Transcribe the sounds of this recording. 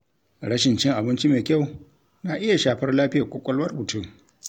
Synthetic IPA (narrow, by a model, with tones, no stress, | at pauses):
ɾɐ˦ʃɪ˨nt͡ʃɪ˦ŋʔa˨bɪ˦nt͡ʃi˦meː˨kʲa˦˨w | na˨ʔɪ˦ja˨ʃaː˨ɸɐ˦rlaː˦ɸɪ˦jaː˨kʷʼo˦kʷʼɐ˦lwɐ˦rbʊ˨tu˦˨ʔ